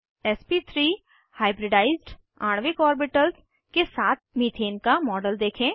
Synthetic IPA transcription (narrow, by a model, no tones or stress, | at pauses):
ɛspit̪ʰɾiː | haːɪbɾɪɖaːɪzɖ | aːɳ̃ʋɪkɔːɾbɪʈəls | kesaːt̪̚ʰmiːt̪ʰeːnkamɔːɖəld̪eːkʰẽː